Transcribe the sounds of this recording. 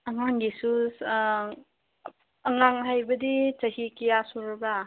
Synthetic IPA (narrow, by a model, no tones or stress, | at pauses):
ɐŋaŋɡisus | ɐŋaŋɦajbɐdit͡ʃɐhikijasuɾba